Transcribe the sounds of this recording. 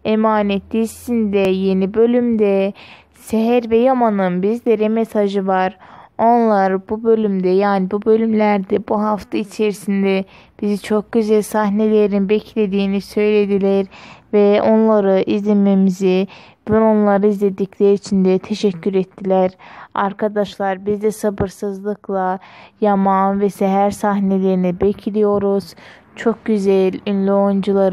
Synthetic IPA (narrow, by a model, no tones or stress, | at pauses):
emaːnet̪d̪isind̪ɛjenibø̞lʲymd̪ɛ | sɛɦæɾvɛjamanɯnbizd̪ɛɾɛmesaʒɯvɑɾo̞nlˠaɾbubø̞lʲymd̪ɛjaːnibubø̞lymlʲæɾd̪ɛbuɦaft̪ʰait͡ʃʰeɾisind̪ɛ | b̥izit͡ʃʰo̞k̚ɟ̥øzælʲsɑɦnelʲeɾinbɛcʰlʲed̪iːnisø̞jled̪ilæɾvɛo̞nlˠaɾɯʔizlʲememizi | bɛo̞nlˠaɾɯizlʲed̪icʰlʲæɾiːt͡ʃʰind̪ɛt̪ʰeʃæcʰːyɾet̪ʰːilʲæɾɑɾkʰad̪ɑʃlˠɑɾbizd̪ɛsɑbɯɾsɯzlˠɯkʰlˠɑjɑmɑnvɛsɛɦæɾsɑɦnelʲeɾinibecʰilijo̞ɾuz̥ | t͡ʃʰo̞k̚ɟyzælynlʲiond͡ʒulˠaɾ